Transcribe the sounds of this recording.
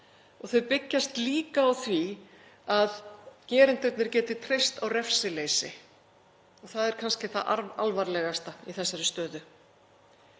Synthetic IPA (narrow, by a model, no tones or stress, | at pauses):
ɔɣθœɥpɪcːast̪liːkaːwθvi | aðcɛːɾɪnt̪ʏt̪nɪɾ̥cɛːt̪ɪt̪ʰɾejst̪awrɛfsɪlejsɪ̰ | ɔɣθaðɛɾ̥kʰanscɪθaðʔaɾa̰lvaɾlɛɣast̪aiθɛsːaɾɪst̪œːðʏ